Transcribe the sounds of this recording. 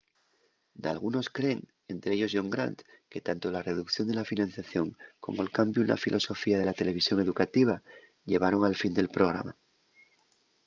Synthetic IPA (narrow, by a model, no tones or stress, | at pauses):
d̪a̰lɣuno̞skɾe̞ŋ | e̞nt̪ɾeeʎo̞zʝo̞ŋɡɾa̰nt̪ | ke̞t̪ant̪o̞lare̞ðukθjo̞nd̪eafinãn̟θjaθjo̞ŋko̞̰moelkambjuna̰filʔo̞so̞fiað̞e̞lat̪e̞le̞β̞isjo̞ŋe̞ðukat̪iβ̞a | ʎe̞β̞aɾo̞ŋalfind̪e̞lpɾo̞ɣ̞ɾa̰ma